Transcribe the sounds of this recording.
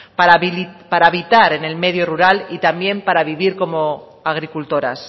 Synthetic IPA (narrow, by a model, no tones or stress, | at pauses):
paɾapaɾaːβit̪aɾe̞ne̞lme̞ðjoruɾalit̪amje̞mpaɾaβiβiɾko̞mo̞ | aɣ̞ɾikult̪oɾa̰s